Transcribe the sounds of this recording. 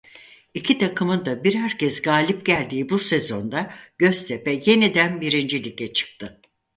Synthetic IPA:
icʰit̪ʰakʰɯmɯnd̪abiɾɦæɾcɛzɡaːlʲip̚ɟælʲd̪iːbuse̞zo̞nd̪aɟ̥ø̞st̪ʰepɛje̞nid̪ænbiɾind͡ʒilʲicʰɛt͡ʃʰɯ̥k̚t̪ʰɯ

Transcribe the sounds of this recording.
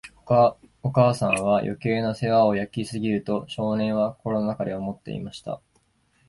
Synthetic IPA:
okaːsãɰ̃β̞ajʔo̞̰ke̞ːnose̞βao̞jakʲisɨɡʲiɾɯ̟t̪o̞ɕo̞ːnẽ̞ɰ̃βako̞ɾo̞nonakad̪eomo̞t̪ːe̞̰ḭmaɕi̥t̪a̰

